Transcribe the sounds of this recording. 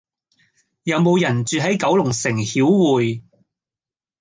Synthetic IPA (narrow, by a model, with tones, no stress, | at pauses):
jɐ˨˧wmo˨˧wjɐ˨˩nt͡ʃyː˨ɦɐ˨˥jkɐ˨˥wlʊ˨˩ŋsɪ˨˩ŋhiː˨˥wːuː˨j